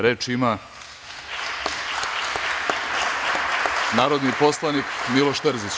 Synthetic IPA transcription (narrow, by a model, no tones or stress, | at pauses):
ɾeːt͡ʃima | naːɾod̪nipo̞slˠanikmilo̞ʃt̪əɾzis